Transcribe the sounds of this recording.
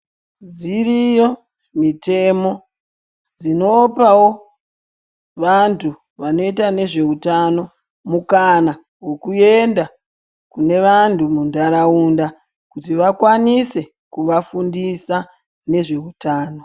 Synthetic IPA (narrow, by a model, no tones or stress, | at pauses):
d͡ziɾijo | mite̞mo̞ | d͡zino̞pawo̞ | ʋantʰu | ʋano̞itane̞ʐe̞utano̞ | mukana | wo̞kue̞nda | kune̞ʋantʰumundaɾauːnda | kutiʋakwanise̞ | kuʋafundisa | ne̞ʐe̞utaːno̞